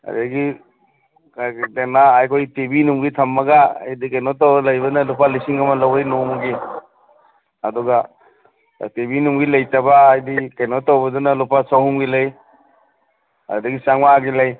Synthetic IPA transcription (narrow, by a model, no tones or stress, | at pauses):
a̰ɾdaɡi | kdenaajkʰojtebinumɡitʰɐmːɐɡaa̰jdikɐjnɔtawlɐjbɐnɐlupalisiŋɐmɐlawajnomuɡi | ɐdɔɡa | tebinumɡilɐjtabaːjdikajnɔtːawbɐdunɐlupasawhumɡilaj | a̰daɡisaŋmaɡilɐj